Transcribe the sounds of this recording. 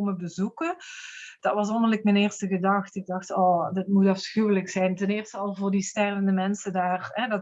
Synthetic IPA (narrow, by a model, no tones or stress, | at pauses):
oməbəzukəd̥ɑtʋɑs̬ɔndərlɪk̚mɛnɪːɹstəɣədɑxtɪɡ̚dɑxtɔːdətmutɑfsxywələksɛjntənɪːrstəɑlˠvʊːɹdistɛrvəndəmɛnsədaːrɦɛdɑ